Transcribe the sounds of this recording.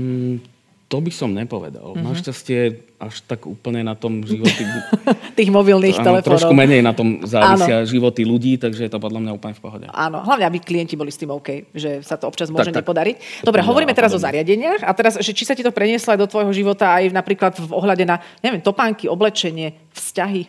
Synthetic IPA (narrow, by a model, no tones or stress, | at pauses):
t̪ɔbisɔmɲɛpɔʋɛ̰d̪a̰lnaʃcascɪɛ | aʃt̪aɡṵːpl̩ɲɛnat̪ɔmʒiʋɔt̪it̪iːɣmɔbilniːxɛlɛfɾɔɔnɔumɛɲɛjnat̪ɔmzaːʋaiːnsɪaʒiʋɔt̪iluɟiːt̪aɡʒɛjɛt̪ɔpɔd̪lamɲauːplɲɛfpɔɦɔɟɛ̰ʔa̰ːnɔ̰ɦlaʊɲɛabiklijɛɲcibɔlist̪iːmɔʊkɛjʒɛsat̪ɔɔpt͡ʃazmʊɔʒɛɲɛpɔd̪aɾicd̪ɔbɾɛɦɔʋɔɾiːmɛt̪ɛɾazɔzaɾɪaɟɛɲɪaxat̪ɛɾazʒɛt͡ʃisacit̪ɔpɾɛɲɪɛslɔajd̪ɔt̪ʋɔjɦɔʒiʋɔt̪aajnapɾiːklad̪vɔɦlaɟɛnaɲɛʋiɛmt̪ɔpaːŋkiɔblɛt͡ʃɛɲɪɛ | fscaɦi